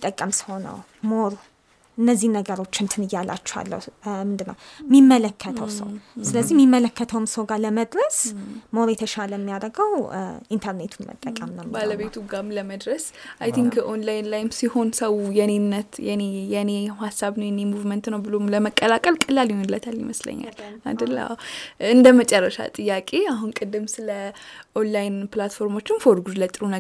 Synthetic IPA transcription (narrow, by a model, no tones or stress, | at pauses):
t̪ʼːəkʼːəmsɨ̥ho̞nə̰w | moɾ | ʔɨnːəzːinəɡəɾo̞t͡ʃːɪnt̪ʰɨnɨjːalʔa̰t͡ʃːɛ̥ha̰lːə̰wmɨnd̪ɨnːə̰wmimːələkʰːət̪ʰəwwsə̰wsɨləzːihmːimːələkʰːət̪ʰəwɨmsəwɡaləməd̪ɾəsmo̞ɾjɛt̪ʰəʃaləjmːijaɾəɡəwʔint̪ʰəɾne̞t̪ʰunmʔə̰t̪ʼːəkʼəmnəbaləβet̪ʰuɡamləməd̪ɾəs | ʔajt̪ʰiŋkʔonlajnlajnsiho̞nsəwjɛnenːət̪jɛnejɛnehasːaβnəwjɛnemuvmənt̪nəwbɨlomləməkʼːəlakʼəlkʼəlaljihonlət̪ʰaljḭməslə̰ɲːa̰la̰d̪əlːa̰ɨnd̪əmət͡ʃʼərːəʃa̰t̪ʼɨjːakʼe̞aɦunkʼɨd̪ːɨmsɨləʔonlajnplat̪fo̞ɾmo̞t͡ʃːɪnfoɾɡud̪lət̪ʼɾunə